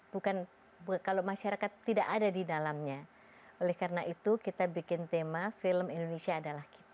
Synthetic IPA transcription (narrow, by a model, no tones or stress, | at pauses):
b̥ukan | bkalomaʃaɾakat̪ːidaʔadadidalamɲa | olɛhkaɾənaʔit̪ukit̪abikɪnt̪emafɪləmindonesiaːdalahki̥t̪a